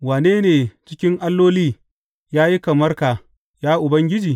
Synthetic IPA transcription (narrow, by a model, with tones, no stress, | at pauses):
waː˨neː˦neː˨t͡ʃɪ˦kʲɪ˦ŋʔa˦lːoː˦liː˦ | jaː˦ji˦ka˨mɐ˦rkaː˨ | jaː˦ʔʊ˨bɐ˦ŋɡʲɪ˦d͡ʒiː˨